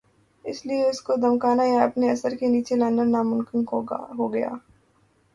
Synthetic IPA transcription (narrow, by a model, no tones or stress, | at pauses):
ɪslieʊskod̪ɐmkaːnajaɐpneɐsəɾkeniːt͡ʃelãːnəɾnaːmʊŋkɪnɦoɡɐja̰ː